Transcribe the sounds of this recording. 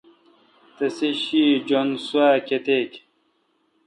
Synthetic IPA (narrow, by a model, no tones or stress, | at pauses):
t̪ɐseɕid͡ʑonsuaket̪eːk